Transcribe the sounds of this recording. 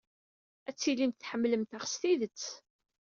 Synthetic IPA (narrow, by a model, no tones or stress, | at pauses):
æt͡sːilimt̪θħəmːləmt̪aχst̪iðət͡sː